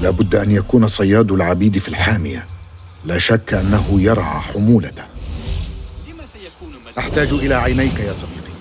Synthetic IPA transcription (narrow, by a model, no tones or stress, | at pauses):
laːbʊd̪ːʔanjakuːnasˤɑjːɑːd̪alʕabiːd̪filħaːmɪja | laːʃakːʔanːaɦʊjɑɾˤʕɑ̰ːħʊmuːlat̪a | ʔaħt̪aːd͡ʒʔɪlaːʕajnajkajaːsˤɑd̪iːqi